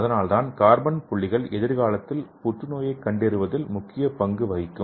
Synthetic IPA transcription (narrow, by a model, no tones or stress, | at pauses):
ɐðɐnaːlt̪aːnkaːɾbɐnpʊɭːɪɣɐɭɛðɪɾɣaːlɐt̪ːɪlpʊʈrɯnoːjɐɪkːɐɳɖɪɾɯʋɐðɪlmʊkːɪjɐpɐŋɡɯʋɐɣɪkːɯm